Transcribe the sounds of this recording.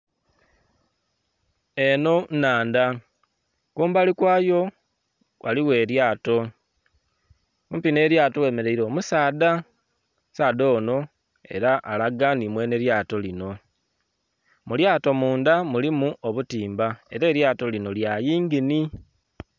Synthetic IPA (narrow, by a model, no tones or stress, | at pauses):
eno̞naːnda | kuːmbalikwaːjo̞ | wʔa̰liwe̞ːɾjaːto̞ | umpine̞ːɾjaːto̞we̞ːme̞ɾe̞iɾo̞ːmusaːda | saːdo̞ːno̞ | e̞̰ɾaʔalaɡanimwe̞ːne̞ɾjaːto̞lino̞ | muljaːto̞muːndamulimuoβutiːmbae̞ɾe̞ːɾjaːto̞lino̞ljajiːŋɡini